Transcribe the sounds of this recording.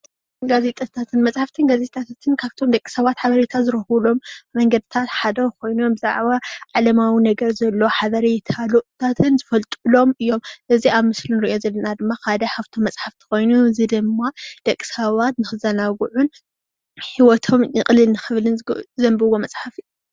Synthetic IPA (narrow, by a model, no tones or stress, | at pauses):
ɡaze̞t̪ʼat̪ʰat̪ʰɨnmɐsʼħaft̪ʰɨnɡazet̪ʼat̪ʰat̪ʰɨnkʰaβt̪ʰo̞md̪ɐkʼi̥sɐβat̪ħaβɐɾet̪ʰazɨɾɐhulo̞mːɐŋɡɐd̪ɨt̪ʰat̪ħad̪ɐwkʰo̞jno̞mbɨza̰ʕβaʕalɐmawinɐɡɐɾzɐlːo̞ħaβɐɾet̪ʰaluʔt̪ʰat̪ʰɨnzɨfɐlt̪ʼɨlo̞mɨjːo̞mʔɨziaβmɨslinɨɾijo̞zɐlːɐnad̪ɨmːakʰad̪ɐħaβt̪ʰo̞mːɐsʼħaft̪ʰi̥ko̞jnuzid̪ɨmːad̪̥ɐkʼːi̥sɐβat̪nɨxɨzɐnaɡuʕun | ħiwɔt̪ʰo̞mjɨχʼlɨlnɨxɨβlɨnzɐmbɨwomɐsʼħafi